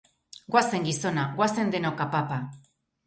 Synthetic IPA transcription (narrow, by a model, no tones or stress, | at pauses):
ɡwase̞ŋɡiso̞naɣwase̞nd̪enokapapa